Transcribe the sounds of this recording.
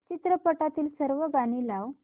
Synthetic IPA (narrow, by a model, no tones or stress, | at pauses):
t͡ɕit̪ɾəpəʈat̪iːlsəɾʋəɡaɽ̃ilaw